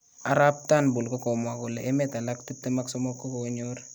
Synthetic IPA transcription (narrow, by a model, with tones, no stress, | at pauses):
a˨ɾa˦p̚ta˦nbʊ˨lkɔ˦ko˨mwa˨ko˨le˨ʔe˦mɛta˨la˦kti˦p̚te˦ma˦ksɔ˦mɔ˦kːɔ˦ko˨ɲoɾ